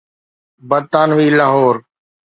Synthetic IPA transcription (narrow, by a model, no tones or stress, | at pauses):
bəɾt̪aːnʋiːlaːɦoːɾ